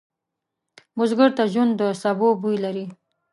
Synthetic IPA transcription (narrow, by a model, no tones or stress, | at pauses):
mʊzɡəɾt̪aʒwund̪d̪əsabobujlaɾi